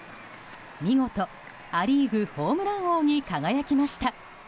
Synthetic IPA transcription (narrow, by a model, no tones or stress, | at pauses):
mʲiŋo̞t̪o̞ | aɾʲiːɡɯ̟ho̞ːmɯ̟ɾãɰ̃o̞ːɲ̟ikaɡajakʲimaɕi̥t̪a